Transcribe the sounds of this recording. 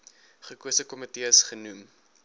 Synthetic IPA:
χəkuəsəkɔmətiəsχənum

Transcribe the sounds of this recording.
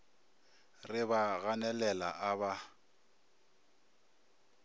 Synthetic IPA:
rɪbaɣanɛlɛla̰ʔaba

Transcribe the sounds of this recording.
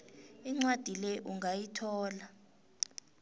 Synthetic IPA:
iŋ͡ǀwad̥ʱilɛʔuŋɡʱajitʰɔːla

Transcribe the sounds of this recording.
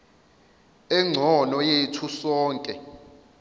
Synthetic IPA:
ɛŋ͡ǀʱɔnɔjetʰusɔːŋkʼɛ

